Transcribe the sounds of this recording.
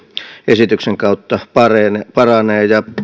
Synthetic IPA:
esit̪ykseŋkɑˑut̪ːɑpɑrenepɑrɑneːjɑ

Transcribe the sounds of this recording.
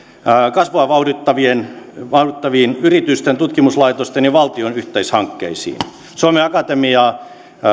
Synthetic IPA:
kɑsʋoɑʋɑudit̪ːɑʋienʋɑurit̪ːɑʋiːnyrit̪yst̪ent̪ut̪kimuslɑit̪ost̪enjiʋɑlt̪ionyht̪eishɑŋkːḛisḭːn | suɑmeɑkɑt̪emiɑː

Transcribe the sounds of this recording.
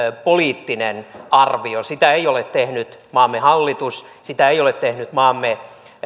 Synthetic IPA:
poliːt̪ːinenɑrʋiosit̪æeijolet̪t̪ːehnyt̪mɑːmːehɑlːit̪us | sit̪æeijolet̪tehnyt̪mɑːmːe

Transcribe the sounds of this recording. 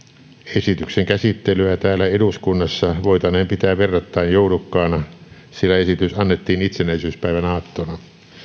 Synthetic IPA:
esit̪ykseŋkæsit̪ːelyæt̪æːlæeɾuskunːɑsːɑʋoit̪ɑnempit̪æːʋerːɑt̪ːɑinjoulukːɑːnɑ | silːæesit̪ysɑnːet̪ːiːnit̪senæisyːspæiʋænɑːt̪ːonɑ

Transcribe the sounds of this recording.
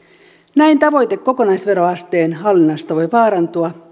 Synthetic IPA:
næint̪ɑʋo̞jt̪e̞kːo̞ko̞nɑjsʋe̞ɾoɑst̪e̞ːnɦɑlːinɑst̪ɑʋo̞jʋɑːɾɑnt̪uɑ

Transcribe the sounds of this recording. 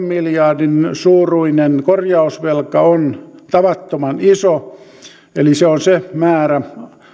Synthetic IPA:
mmiljɑrdinsuːruinenkorjɑusʋelkɑont̪ɑʋɑt̪ːomɑniso | eliseonsemæːræ

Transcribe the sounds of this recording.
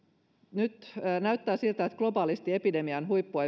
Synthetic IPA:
nyt̪ːnæyt̪ːæːsilt̪æet̪ɡ̥lo̞bɑːlist̪iepidemiɑnɦuipːuɑ

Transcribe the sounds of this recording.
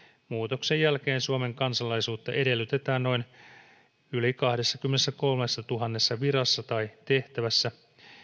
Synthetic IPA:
muːt̪o̞ksejːælk̟e̞ːnsuome̞ŋkɑnsɑlɑjsuːt̪ːɑʔe̞de̞lːyt̪e̞t̪æːnno̞in | ylikɑhde̞sːɑk̟ymːenesːæko̞lmesːɑt̪uɦɑnːe̞sːɑʋiɾɑsːɑt̪ɑjt̪e̞ht̪æʋæsːæ

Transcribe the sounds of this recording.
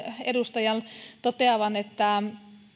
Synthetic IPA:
edust̪ɑjɑnt̪ot̪eɑʋɑnet̪ːæ

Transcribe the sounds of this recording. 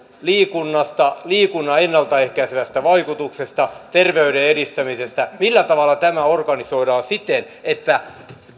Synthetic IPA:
liːkunːɑst̪ɑliːkunːɑenːɑlt̪ɑehkæiseʋæst̪æʋɑikut̪uksest̪ɑt̪erʋeyɾeeɾist̪æmisest̪æmilːæt̪ɑʋɑlːˑɑt̪æmæorɡɑnisoiɾɑːnsit̪en | et̪ːæ

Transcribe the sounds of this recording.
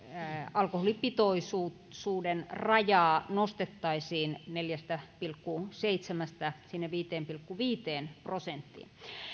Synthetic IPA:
ɑlkoholipit̪oisu | suːdenrɑjɑːnost̪et̪ːɑisiːnneljæst̪æpilkːuseit̪semæst̪æsinːeʋiːt̪eːmpilkːuʋiːt̪eːnprosent̪ːḭːn

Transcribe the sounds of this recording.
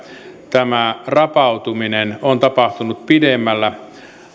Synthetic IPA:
t̪æmærɑpɑut̪uminenont̪ɑpɑht̪unut̪̚pidemːælːæ

